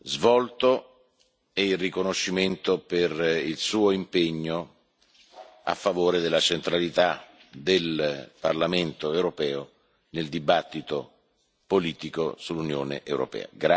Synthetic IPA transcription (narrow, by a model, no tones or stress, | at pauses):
zvɔlt̪o | ɛilrikonoʃːiment̪operilsuːoimpeɲːo | a̰fːavoːɾed̪elːat͡ʃent̪ɾalit̪a | d̪elparlament̪oewɾopɛːo | neld̪ibat̪ːit̪o | poliːt̪iko̰sulːunjo̰ːnḛʔwɾʔo̰pɛ̰ːa̰ɡɾa